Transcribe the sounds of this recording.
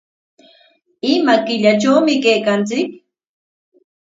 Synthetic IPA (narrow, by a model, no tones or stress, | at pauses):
ɪmakɪʎat͡ʃawmɪkejkant͡sɪk̚